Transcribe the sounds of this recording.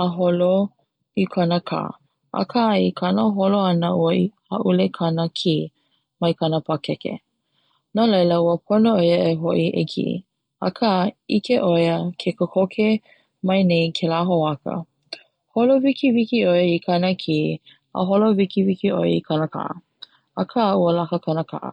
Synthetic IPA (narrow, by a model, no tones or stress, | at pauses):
əɦolo | ikʰɐnəkʰa̰ː | ʔɐ̰kʰaikʰɐnəɦoloɐnəʔuəiha̰ʔulekʰɐnəkʰi | mɐjkʰɐnəpʰakɛkḛ | nolɐjləuəp̚ʰonoojəeɦoʔiʔḛkʰḭ | a̰kʰəikʰeʔojəkʰekəkʰokʰe | mɐjnejkʰelaɦoakə̰ | holovikivikiojikʰɐnəkʰiː | ə̰ɦolovikivikiʔo̰j̰ikʰɐnəkʰa̰ʔə̰ | ɐkʰauəlakəkʰɐnəkʰa̰ʔə̰